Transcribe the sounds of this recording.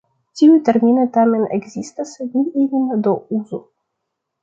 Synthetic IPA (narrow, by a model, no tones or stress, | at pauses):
cʲiujt̪ɛɾmʲinɛt̪amɛnɛ̰ɡzist̪asɛd̪nʲiinind̪ɔuzu